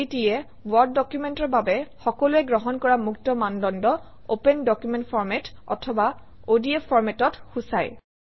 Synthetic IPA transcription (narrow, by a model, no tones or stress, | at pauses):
etiɛ | wɔɹd̚ːɔkjumentɔɹbabɛxɔkɔluɛɡɹɔɦɔnkɔɹamuktɔmandɔndɔ | opɛndɔkjumentpʰɔɹmɛtɔ̰tʰɔba | odiepʰːɔɹmɛtɔtxusaj